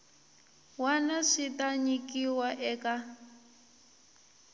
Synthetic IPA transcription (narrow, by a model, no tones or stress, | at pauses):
wanaʂitaɲikiwaʔɛka